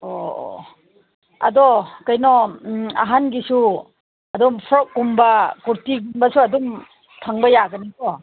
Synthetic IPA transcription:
o̰ | ɐ̰dɔkajnɔa̰ɦanɡisu | ɐdumpʰɾɔk̚ɡumbɐkuɾtiɡumbɐsuɐdum | tʰaŋbɐjaɡɐnikɔ

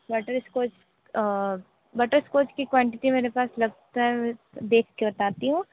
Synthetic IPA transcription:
bɐʈəɾskoːt͡ʃː | bɐʈəɾskoːt͡ʃkikwãːɳʈɪʈimeːɾepaːslɐɡ̚t̪aɦɛ | d̪eːkʰkebɐt̪aːt̪iɦũː

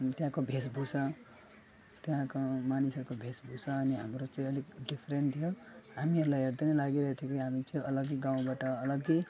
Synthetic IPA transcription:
t̪jãkobʱesbʱusʌ | t̪jãkomanisʌrkobʱesbʱusʌːniɦa̰mrot͡sʌĩʌlikɖipʰɾent̪ʰijoɦamiʌɾulajɦeɾd̪ʌnʌlaɡiɾʌɦet̪ʰjokiɦamit͡sʌĩʌlʌɡiɡaw̃baʈʌːlʌɡi

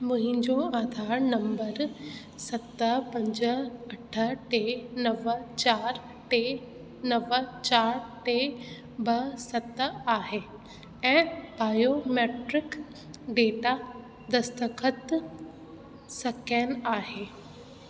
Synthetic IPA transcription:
mʊ̃ɦɪ̃ɲd͡ʑoaːd̪ʱaːɾnɐ̃mbəɾ | sɐt̪əpɐ̃ɲd͡ʑəɐʈʰə̆ʈenɐʋət͡ɕaːɾ | ʈe | nɐʋət͡ɕaːɾʈe | bɐsɐt̪aːɦe | ɛ̃ːbaːjomeːʈɾɪk | ɖeːʈa | d̪ɐst̪əkʰət̪ | sɐken̆aːɦeː

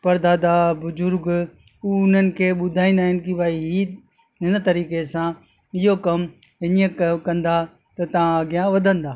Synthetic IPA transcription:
pɐɾd̪aːd̪abʊzʊɾɡuːʊn̤ənɪ̆kʰeːɓʊd̪ʱaːĩːnd̪aːɦɪnɪkibaːiɦi | ɦɪnə̆t̪ɐɾiːkesã | ɪɦokɐm | ɪniəkkɐ̃nd̪a | t̪ɐt̪ɐʋãɐɡjãʋɐd̪ʱə̃nd̪aː

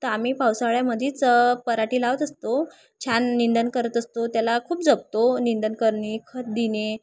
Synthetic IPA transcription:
t̪əɾamiːpawsaɭjaməd̪ʱiːt͡spəɾaʈiːlaʋət̪əst̪o | t͡ɕʰanːind̪ənkəɾət̪əst̪ot̪jalakʰuːp̚d͡zəb̚t̪onind̪ənkəɾɳikʰət̪̚d̪ine

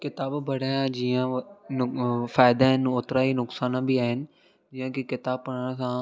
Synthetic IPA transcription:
kɪt̪aːbbɐɽaãd͡ʒiːãnʊfaːɪd̪aɦɪnoːt̪ɾaɦinʊksaːnãbʱiaːɦɪnɪ̆ | d͡ʒijãkikɪt̪aːb̚pəɽaɽ̃sã

